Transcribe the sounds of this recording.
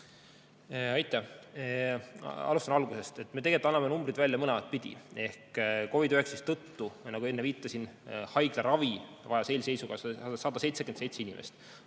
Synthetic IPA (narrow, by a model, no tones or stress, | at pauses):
ɑjt̪ːˑæh | ɑ̰lust̪ɑnɑlɡuse̞st̪e̞t̪ːˑme̞t̪eɡelt̪ːɑnːɑmenumbɾid̪vælʲːjɑmɤnɛmɑt̪̚ˑpid̪̥ʲḭe̞hkko̞vid̪øheksist̪ːɤt̪ːunɑɡue̞nːeviːt̪ːˑɑsinhɑjɡ̥leɾɑvi | vɑjɑselʲse̞jsuɡ̥ɑsɑd̪̥ɑse̞jt̪seɡend̪se̞jt̪seinimʔḛst̪